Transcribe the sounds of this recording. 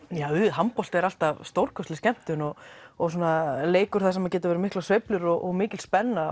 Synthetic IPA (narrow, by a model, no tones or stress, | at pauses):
jaːwʏɦampɔlt̪ɛɾal̥t̪avst̪owɾ̥kʰœst̪ɪscɛm̥t̪ʏnɔɣɔɣs̬aːnaleːjkʏɾ̥θasɛmacɛːt̪avɛɾɪmɪhklasvejplʏɾɔɣʔɔɣmɪːcɪlspɛnːa